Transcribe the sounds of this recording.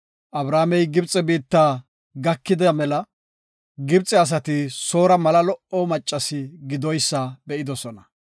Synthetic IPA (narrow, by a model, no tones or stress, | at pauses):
ʔɐbɾaːmɛjɡɪbt͡sʼːɛbiːt̪ːaː | ɡɐkːɪd̪ɐmɛlɐ | ɡɪbt͡sʼɛɐs̬ɐt̪ɪso̞ːɾɐmɐlɐlɔʔɔmɐt͡ʃʼːɐsɪɡɪd̪ɔjsːɐbɛʔɪd̪ɔsɔnɐ